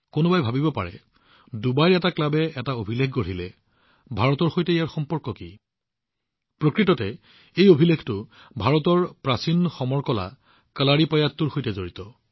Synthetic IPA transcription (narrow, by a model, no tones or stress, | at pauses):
konʊbajbʱabibɔpa̰ɹɛ̰ | dubajɹɛtaklabɛɛtaobʱilekʰɡoɹ̤ilɛ | bʱaɹɔtɔɹxojtɛijaɹxɔmpɔɹkɔki | pɹokɹitɔtɛ | ejobʱileɡtʊ | bʱaɹɔtɔɹpɹasinxɔmɔɹkɔla̰ | kəlaɹipɔjatːuɹxojtɛzoɹitɔ